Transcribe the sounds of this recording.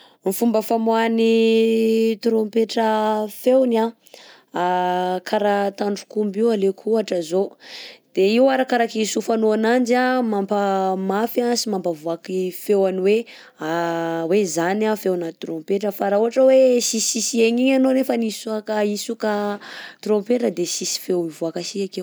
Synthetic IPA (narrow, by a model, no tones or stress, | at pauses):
mifumbəfamuani | t̪ɾompeʈ͡ʂəfewna | akʰaɾat̪aɳɖ͡ʐukumbiwalekʰuaʈ͡ʂəzod̪̥eiwaɾakaɾakisufanoanand͡ʒamampamafjasimampavuakifewaniwe | awezanafewanat̪ɾompeʈ͡ʂəfaɾauaʈ͡ʂəwesisisieɲiɲanonefənisuakaisukat̪ɾompeʈ͡ʂəd̪esisi̥fewivuakasiakew